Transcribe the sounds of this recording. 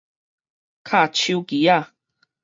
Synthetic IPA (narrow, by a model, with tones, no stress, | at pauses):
kʰa˥t͡ʃi˧wki˨ja˦